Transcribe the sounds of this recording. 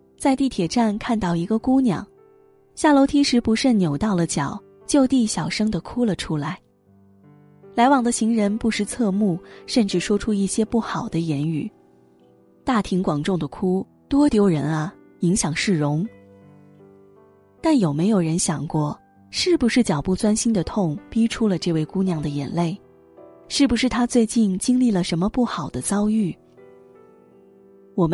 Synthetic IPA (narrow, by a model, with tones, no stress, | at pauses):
t͡sa˥˧ɪt̪i˥˩t̪ʰjɛ˨˩ʈ͡ʂa˥˧nkʰa˥˧nt̪ɑ˥˩ʊi˧˥ɡə˧ku˥njɑ̰˨˩˦ŋ | ɕja˥˩lo˧˥ʊt̪ʰi˧˥ʂɻ̩˧˥pu˧˥ʂə˥˩njo˨˩ʊt̪ɑ˥˩ʊlə˩t͡ɕjɑ˨˩˦ʊ | t͡ɕjo˥˧ʊt̪i˥˩ɕjɑ˨˩ʊʂɤ˥ŋd̪ə˨kʰu˥lə˨ʈ͡ʂʰu˥la˧˥ɪ | la˧˥ɪwɑ˨˩ŋd̪ə˦ɕi˧˥ŋɻə˧˥npu˥˧ʂɻ̩˥˧t͡sʰɤ˥˧mu˥˩ʂə˥˧nʈ͡ʂɻ̩˥˩ʂwɔ˥ʈ͡ʂʰu˥i˥˩ɕjɛ˥pu˥˩xɑ˨˩ʊd̪ə˦jɛ˧˥ny̰˨˩˦ | t̪a˥˩t̪ʰi˧˥ŋkwɑ˨˩ŋʈ͡ʂʊ˥˩ŋd̪ə˩kʰu˥ | t̪wɔ˥t̪jo˧˥ʊɻə˧˥nɐ˧ | i˧˥ŋɕjɑ˨˩ŋʂɻ̩˥˩ɻʊ˧˥ŋ | t̪a˥˩njo˨˩ʊme˧˥ɪjo˨˩ɻə˧˥nɕjɑ˨˩ŋkwɔ˥˩ | ʂɻ̩˥˩pu˧˩ʂɻ̩˥˩t͡ɕjɑ˨˩ʊpu˥˩t͡swa˥nɕi˥nd̪ə˨t̪ʰʊ˥˩˧ŋpi˥ʈ͡ʂʰu˥lə˨˧ʈ͡ʂɤ˥˧we˥˩ɪku˥njɑ˥˩ŋd̪ə˩jɛ̰˨˩nle˥˩ɪ | ʂɻ̩˥˩pu˩ʂɻ̩˥˩t̪ʰa˥t͡swe˥˧ɪt͡ɕi˥˩nt͡ɕi˥ŋli˥˩lə˩ʂə˧˥nmə˧pu˥˩xɑ˨˩ʊd̪ə˦t͡sɑ˥ʊy˥˩ | wɔ˨˩m